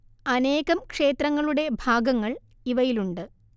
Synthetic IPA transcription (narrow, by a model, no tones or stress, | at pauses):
ɐne̞ːɣɐmkʂe̞ːt̪rɐŋːɐɭuɽe̞bʱaːɡɐŋːɐɭ | iʋɐjiluɳɖɨ